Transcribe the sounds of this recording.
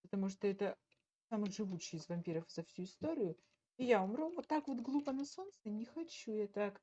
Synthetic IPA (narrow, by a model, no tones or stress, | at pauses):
pət̪ɐmuʂt̪oɛt̪ə | samɨʐɨvut͡ɕːɪjɪzvɐmʲpʲiɾəfzɐfsʲuɪst̪oɾʲɪjʊ | ijaʊmɾʲuvot̪ːakvo̞t̪ɡlˠupənɐso̞nt̪sənʲɪxɐt͡ɕujat̪ak